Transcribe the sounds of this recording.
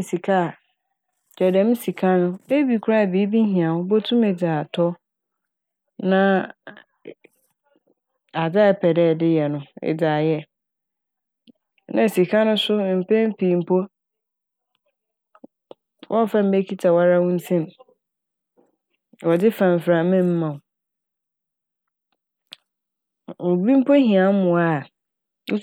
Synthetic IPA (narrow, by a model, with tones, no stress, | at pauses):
si˨kʰa˦˨ | d͡ʒɛ˨dɛ̃˨˦m̩˦si˨kʰa˦nʊ̃˦e˦bi˨kʰu˦ɾa˦˨bi˨˦bi˦ɦĩ˨ã˨ʊ̃˦bo˦tʰũ˦me˨d͡zaː˨tʰɔ˦ | nã˦ | a˨da˦ɛ˨pʰɛ˨dɛː˦˨dɪ˦jɛ˨nʊ̃˦ɛ̰˨d͡zaː˨jɛ˦ | nã˨si˨kʰã˦nʊ̃˦sʊ˦m̩˨pɛ̃˦m˦pʰĩ˨m̩˦pʰɔ˦ | wʔɔ̃˦fã˦˨m̩˦be˦kʰi˦tʰa˨wa˦ɾa˦wʊ̃˦n̩˦sʰɛ̃˦m | wɔ˨dɪ˦fã˨m˨fɾa˨mɪ̃˦m̩˦mã˨ | o˨bi˦m̩˦pʰo˦ɦĩ˨ã˨˦m˦mʊ̃˨a˨ | ʊ˦